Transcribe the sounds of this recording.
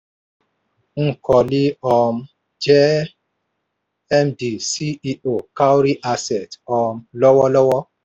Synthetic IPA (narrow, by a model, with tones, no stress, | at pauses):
ŋ̩˦˨kɔ˨li˦ɔ˧m̩˦ | d͡ʒɛ˦ | ɛ˦mdi˨si˦i˦o˨ka˦wɾi˦ʔa˧sɛ˨tɔ˧m̩˦lɔ˦wɔ˦lɔ˦wɔ˦